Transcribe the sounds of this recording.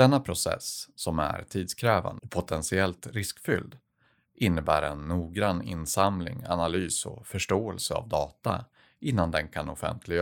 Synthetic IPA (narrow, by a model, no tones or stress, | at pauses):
ɛnːapʰɾʊsɛ̰sːɔmæ̰ɾt̪ʰiːd̪skʰɾɛːva̰npʰʊt̪ʰɛnsɪɛlt̪ɾɪskfʏld̪ | ʔɪnːəbæːɾɛnːuːɡɾanːɪ̰nsamlɪ̰ŋa̰nalyːsɔ̰fœʂʈoːɛlsəa̰vd̪ɑːt̪a̰ | ʔɪnːand̪ɛnkʰanɔfɛ̰nt̪ʰlɪɡ